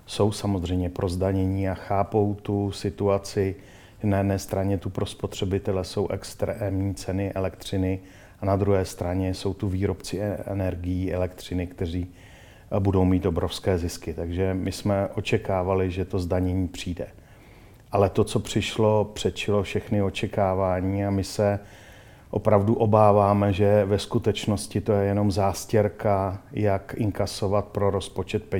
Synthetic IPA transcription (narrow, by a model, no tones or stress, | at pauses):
so̞wsamo̞zr̝ɛjmɲɛpɾʔo̞zdaɲɛɲiːaxaːpo̞wt̪usɪt̪uat͡sɪ | ʒɛnajɛdnɛːst̪ɾaɲɛt̪upɾo̞spo̞t̪r̝̥ɛbɪt̪ɛlɛso̞wʔɛkst̪ɾɛmɲiːt͡sɛnɪʔɛlɛk̚t̪r̝̥ɪnɪ | anad̪ɾuɦɛːst̪ɾaɲɛso̞wt̪uviːɾo̞pt͡sɪɛ̰nɛɾɡɪjiʔɛlɛkt̪r̝̥ɪnɪkt̪ɛriː | budo̞wmiːt̪ʔo̞bɾo̞fskɛːzɪskɪt̪aɡʒɛmɪsmɛʔo̞t͡ʃɛkaːvalɪʒɛt̪o̞zdaɲɛɲiːpr̝̥iːdɛ̰ | ʔalɛt̪o̞t͡so̞pr̝̥ɪʃlo̞pr̥ɛt̪t͡ʃɪlo̞fʃɛxnɪo̞t͡ʃɛkaːvaːɲiːamɪsɛ | ʔo̞̰pɾavduʔo̞baːvaːmɛʒɛvɛskut̪ɛt͡ʃno̞scɪt̪o̞jɛjɛno̞mzaːscɛɾkajakɪŋkaso̞vat̪̚pɾo̞ɾo̞spot͡ʃɛt̪̚pɛ